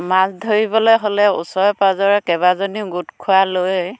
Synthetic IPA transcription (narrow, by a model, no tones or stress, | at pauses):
masdʱoɹibɔlojɦolɛṵsɔɹpazɔɹɛkɛβazoniɡutkʰualoj